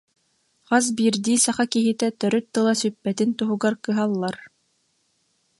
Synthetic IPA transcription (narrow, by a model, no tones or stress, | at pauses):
qas̬biːɾd̪iːsɑχakiɦit̪ɛt̪œɾœt̪̚ːɯlˠasypːɛt̪int̪uɦuɡaɾkɯɦalˠːaɾ